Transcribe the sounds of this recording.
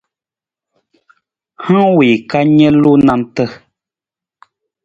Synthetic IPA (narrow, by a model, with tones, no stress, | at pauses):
hã˦wi˨ka˦ɲɛ˦lu˦na˦mtə˦